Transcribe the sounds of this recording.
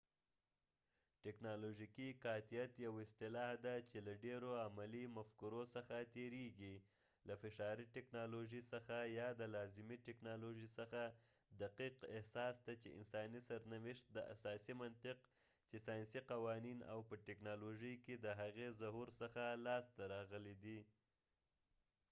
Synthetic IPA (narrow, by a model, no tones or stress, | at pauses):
ʈɪknɑloʒikikɑt̪ijat̪jawɪst̪ɪlɑhd̪at͡ʃelaɖeɾoamalimafkuɾosəxat̪eɾeɡi | lafɪʃɑɾiʈɪknɑloʒisəxajɑd̪əlɑzɪmiʈɪknɑloʒisəxa | d̪aqiqɪhsɑsd̪at͡ʃḛɪ̰nsɑnisaɾnawɪʃt̪̚d̪əa̰sɑsimant̪ɪq | t͡ʃesɑjnsiqawɑnina̰wpəʈɪknɑloʒəjked̪əɦaɣezaɦuɾsəxalɑst̪aɾɑɣəlid̪i